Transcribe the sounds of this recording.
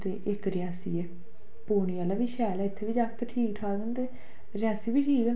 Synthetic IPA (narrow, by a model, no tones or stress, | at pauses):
t̪eːʔɪkɾɪjaːsḭːɛː | poːɳ̃iːaːlaːʋiːʃɛːlaːɪt̪ʰːeːʋiːd͡ʒaːk̚t̪eʈʰiːkʈʰaːɡənd̪eː | ɾɪjaːsiːbiːʈʰiːkən